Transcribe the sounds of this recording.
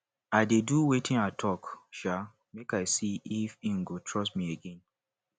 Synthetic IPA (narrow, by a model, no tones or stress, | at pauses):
aɪdeduwetʰĩnatʰɔkʃa | mekaɪsiifiŋ̩ɡotʰɹɔsmieɡɛ̃n